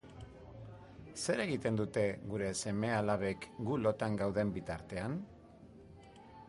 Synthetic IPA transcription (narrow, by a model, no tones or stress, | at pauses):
se̞ɾe̞ɣit̪e̞nd̪ut̪e̞ɡuɾe̞se̞me̞alaβ̞e̞kɡulo̞t̪aŋɡawðe̞mbit̪aɾt̪e̞an